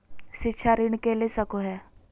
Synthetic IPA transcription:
ʃɪtːʃʰaɾɪɽ̃kelesəkoɦɛː

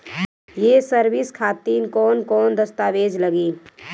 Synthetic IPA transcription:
jeːsəɾʋɪskʰaːt̪iːnkɔːnkɔːnd̪ɐst̪aːʋeːd͡ʒlɐɡiː

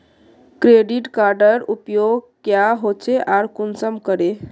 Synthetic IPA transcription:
kɾeɖiʈkaɾɖəɾupjoɡ | kjaɦot͡ʃʰeʔaɾkunsəmkəɾe

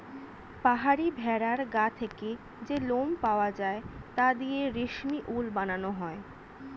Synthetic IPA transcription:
paɦaɾibʱɛɾaɾɡat̪ʰeke | d͡ʑelompaoad͡ʑaet̪ad̪ijeɾiʃniʔulbananoɦɔe

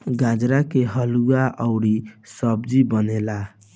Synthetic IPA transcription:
ɡãd͡ʒɾakeɦʌluaʔəwɾisʌbd͡ʒibənela

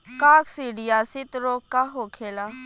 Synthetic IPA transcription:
kaːksiːɖijaːsɪt̪ɾoːkkːaɦoːkʰeːlaː

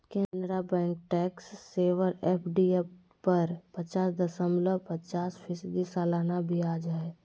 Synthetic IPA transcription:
kẽnd̪ɾabɛ̃ːŋk̚ʈɛːksːeːʋəɾepʰɖiep | pəɾpət͡ʃaːsd̪əsə̃mbləpət͡ʃaːspʰɪsd̪isaːlaːnabʱiaːd͡ʒaːe

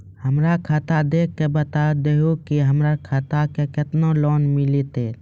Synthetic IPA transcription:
həmɾakʰaːt̪ad̪eːkʰːebət̪ad̪eɦokiɦəmɾakʰat̪akekɪt̪noloːnmɪlit̪eː

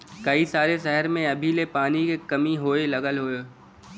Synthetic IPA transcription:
kɐisaːɾeʃɛɦəɾmẽɐbʱilepaːnikekɐmiɦoːelɐɡəlɦoːe

